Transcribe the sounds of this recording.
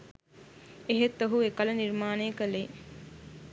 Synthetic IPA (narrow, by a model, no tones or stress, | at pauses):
eɦet̪ːoɦuekələniɾmaːnejəkəle